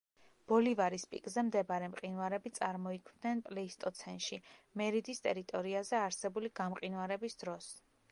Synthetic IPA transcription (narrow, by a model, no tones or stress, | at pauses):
b̥ɔlivaɾispʼḭkʼzɛmd̪ɛbaɾɛmqʼinaɾɛbit̪sʼaɾmɔikʰmd̪nɛnpʼlɛist̪ʼɔt̪sʰɛnʃimɛɾid̪ist̪ʼɛɾit̪ʼɔɾiazɛaɾsɛbuliɡ̥amqʼinwaɾɛbisd̪̥ɾɔs